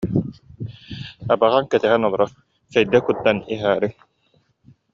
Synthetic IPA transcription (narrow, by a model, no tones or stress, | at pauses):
abaʁaŋkɛt̪ɛɦɛnɔlˠɔɾɔ | sɛjd̪ɛkut̪ːaniɦaːɾi